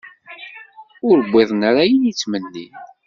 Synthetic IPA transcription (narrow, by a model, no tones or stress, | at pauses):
ʊɾəbʷːɪðˤnɾajinit͡sːmənːi